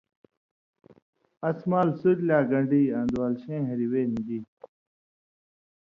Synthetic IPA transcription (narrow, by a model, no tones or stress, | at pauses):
ɐsmaːlsuɾlaːɡɐ̃ɳɖiãːnd̪uwaːlɕẽːɦɐɾiweːnĩɡiː